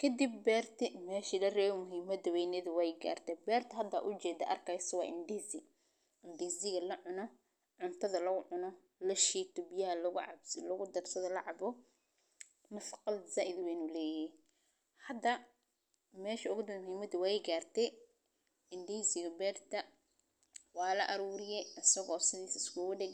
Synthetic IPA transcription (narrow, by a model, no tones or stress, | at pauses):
kʰɐd̪ibːɛːrt̪ʰɛmɛːʃilɐrɛːβɔmʊɦiːmɐd̪ɐwɛjnɛðʊwɛjɡa̰ːrt̪ʰɛbɛːrt̪ʰɐɦɐd̪ɐ̰ʔʊt͡ʃɛːd̪ɐʔɐ̰rkʰɐjsɐwɑ̰ːʔɪnd̪isɪ | ʔɪnd̪iːzɪɣɐlɐʕʊnɔ | ʕʊnt̪ʰɐðɐlɐɣʊʕʊnɔ | lɐʃiːt̪ʊbjɐɦɐlɐɣʊʕɑ̰slɐɣʊd̪ɐrsɐðɐlɐʕɑbɔ | mɐfqɑlzaːʔɪd̪wɛnulɛːjɪhɛj | hɐd̪ɐ | mɛːʃɐʊɣʊd̪ɐhiːmɐd̪ʊwɑɛjɡaːrt̪ʰɛ | ɪnd̪iːsɪɣɐbɛːrt̪ʰɐ | wɑːlɐʔɐɾuːɾɪjɛʔɐsɐɣɔːsɪðiːsɪskʊːɣʊɖɛɣ